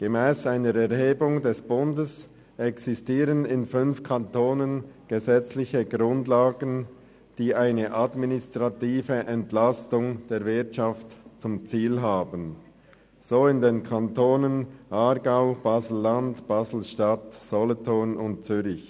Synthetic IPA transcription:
ɡ̥əmɛːsaɪnəɾɛɐʁɦeːbʊŋdɛsb̥ʊndəs | ʔɛksistiːʁənɪnfʏnfkʰantoːnənɡ̥əzɛt͡slɪçəɡʁʊndlaːɡən̩ | d̥iːʔaɪnəʔadminɪstʁ̥atiːvəʔɛntlastʊŋd̥eːɾvɪɐtʃaftt͡sʊmt͡siːlɦaːbən | z̥oːɪndeːnkʰantoːnənʔaɾɡaʊb̥aːzl̩ːandb̥aːzl̩ʃtatz̥ɔlɔtonʊnt̚t͡syɾɪç

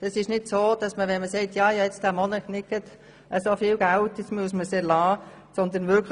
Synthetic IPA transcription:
d̥ɑsɪʃnɪd̥soːd̥ɑsməʋɛnməsɛɪtjɑːjɑɛɛt͡sd̥æmɔnəknɪkːət | ʔəsofiːlɡ̥æltɪsmyəsməseːlɑː | sɔnd̪ənʋɪɾkl

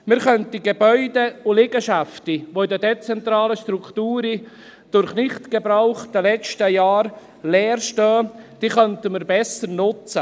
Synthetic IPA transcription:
mɪɾχœntiɡebœʏdeʊlɪɡəʃaftiʋoɪdədet͡sɛntɾaːləʃtɾukʰtuːɾi | d̥ʊɾχnɪχtɡ̥ebɾaʊχd̥əlɛt͡ʃtəjaːɾ | lɛːrʃtœːd̪̥iːχœntəməɾbɛsəɾnʊt͡sə

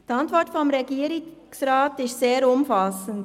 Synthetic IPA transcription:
d̥iɑntvɔtfɔmʁeɡiːɾɪsraːtɪstseːɾʊmfɑsənt

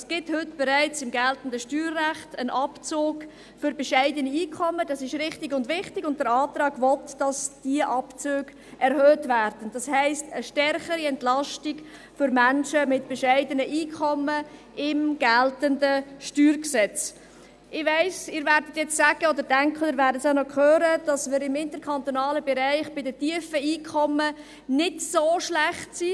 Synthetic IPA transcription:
sɡ̥ɪthʏtb̥ɛɾæɪt͡sɪmɡɛltən̩dəʃtyːrːæχtənʔɑpt͡soːɡ | fʏɾbɛʃɛɪdəniiːkʰɔmːəd̥ɑsɪʃɾɪχtɪɡʊndvɪχtɪɡʊnt̚dəɾɑːtɾɑːɡvɔtd̥ɑsd̥iəʔɑpt͡søːɡ̥ | ʔɛɾhøːtvæɾd̥ən̩d̥ɑshɛɪstəʃtɛrχəɾiɛntlɑʃtɪɡ | fʏɾmænʃəmɪtb̥ɛʃæɪdənəʔiːkʰɔmə | ɪmɡ̥æltəndəʃtyːɾksɛt͡s | ʔɪʋæɪsɪːɾvæːɾdət̪jɛt͡ssæɡ̥əɔd̪əɾdæŋkχəɾvæːɾdəsanɔkʰøːɾəd̥ɑsmɪɾɪmɪnt̪əɾkʰɑnt̪ɔnɑːləbɛɾæɪχb̥ɪdətiəfəiːkʰɔmə | nɪdsoːʃlæχtsi

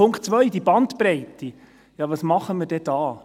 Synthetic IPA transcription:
ʊŋkt̚t͡sʋœʏd̪ibɑnt̪pɾɛɪt̪i | jɑʋɑsmɑχəmɪɾd̥ɛd̥̪ɑː

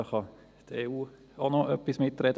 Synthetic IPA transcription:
əχɑ | t̪eːuː | onɔʔœpːismɪt̪ːrɛd

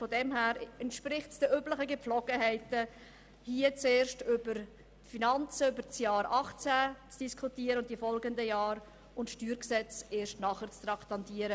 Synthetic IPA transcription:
fɔdɛmhæːɾɛntʃprɪχtsd̥əʔybləχəɡəpflɔɡ̥əɦɛɪtə | hiːət͡seːɾʃtʏbəɾ | tfinɑnt͡səʏbəɾt͡sjɑːɾɑχt͡sæt͡sd̥iskʰutiːəɾəʊntifɔlɡəndəjɑːɾ | ʊntʃtyːɾksɛt͡seːɾʃtnɑχəɾt͡st̪ɾɑkt̪ɑnt̪iːəɾə

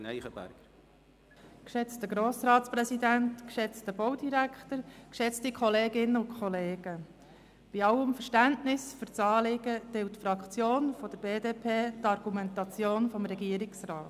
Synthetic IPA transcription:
nɛ̰ɪχəb̥æ̰ɾɡ̥əɾ | kʃɛt͡stəɡɾoːsɾɑːtt͡spɾɛsid̪æntkʃɛt͡stəb̥owdiɾækχtəɾkʃɛt͡stikʰχɔleːɡɪnːəʊnkʰχɔleːɡ̥ə | b̥iɑwəmfəɾʃtæntnɪsfʏɾt͡sɑːlɪɡ̥əd̥ɪlttfɾɑkt͡sjoːnfɔd̥̪əɾb̥eːdeːpʰeːt̪ɑɾɡ̥umɛntɑt͡sjoːnfɔmɾɛɡiəɾɪksrɑːt

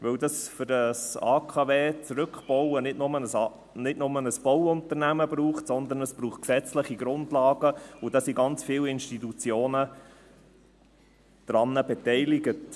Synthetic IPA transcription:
ʋɵwdɑsfʏdɑsɑːkʰɑveːt͡sɾɵkχb̥ɔwənɪdnʊmənəs | nɪtnʊmənəsb̥ɔwʊntəɾnæməbruːχtsɔnd̪ənəsb̥ɾuːχt̚ksɛt͡sləχiɡ̥ɾʊndlɑːɡəʊdɑːsiɡɑnt͡sfiːwɪnʃtitut͡sjoːnə | d̥ɾɑnːəbɛtɛɪlɪɡət

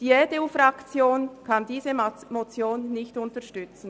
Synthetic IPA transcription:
d̥iːɛdeufʁɑkt͡sjoːnkʰɑndiːzəmot͡sjoːnːɪçtʊntɐʃtʏt͡sn̩

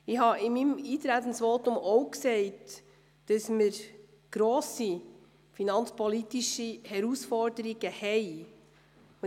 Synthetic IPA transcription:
ɪhɑɪmimiːt̪ɾæt̪ən̩sʋotʊmɔʊksɛɪt | d̥ɑsməɾ | ɡ̥ɾoːsi | finɑnt͡spɔlitiʃihɛɾusfɔɾdəɾiɡəhɛɪ | ʊ

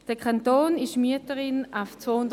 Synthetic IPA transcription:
d̥ɛkʰantoːnɪʃmyətəʁɪnaʊft͡svoːhʊnd

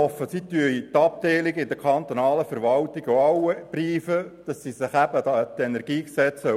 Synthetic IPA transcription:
ɔfːəsit̪yəit̪ɑp̚t̪eːlɪɡɪd̪əkʰɑnt̪onɑːləfəɾʋɑlt̪ɪɡ̥oɑwəb̥riːfəd̥ɑsisɪχæb̥əd̪ɑt̪ɛnɛɾɡ̥iːksɛt͡sə

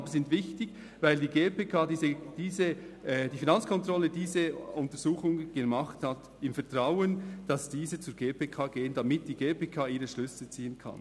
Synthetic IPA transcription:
bəzɪntvɪçtɪç | vaɪldiːɡeːpeːkʰaːdiːəd̥iːzəd̥iːfinɑnt͡skʰɔntʁɔlːədiːzəʊntəɾz̥uːχʊŋɡ̥emɑχthat | ɪmfɛɐtʁaʊənd̥ɑsd̥iːzət͡suːɾɡeːpʰeːkʰaːɡ̥eːəndɑmɪt̚d̥iːɡeːpeːkʰaːiːɾəʃlʏsl̩t͡siːənkʰɑ̰n

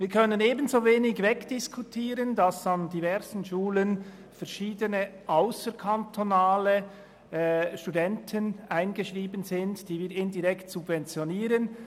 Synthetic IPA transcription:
viːɾkʰœnəneːbənzoːveːnɪçvɛkd̥ɪskʰutʰiːɾəndɑsandivɛʁzən̩ʃuːlən | fɛɐʃiːdənəʔaʊsəɾkʰantʰonaːlə | ʃtudɛntʰənaɪnɡəʃʁiːbənzɪntd̥iːviːɾɪndiʁɛktsubvɛnt͡sjoniːɾən

